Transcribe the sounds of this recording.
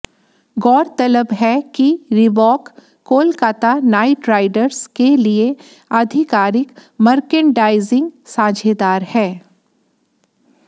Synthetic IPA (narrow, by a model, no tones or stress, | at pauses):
ɡɔːɾt̪ɐləbɦɛkiɾɪbɔːkː | oːlkaːt̪anaːɪʈɾaːɪɖəɾzkelie | ɐd̪ʱɪkaːɾɪkmɐɾkəɳɖaːɪzɪ̃ŋɡsãːd͡ʒʱed̪aːɾhɛː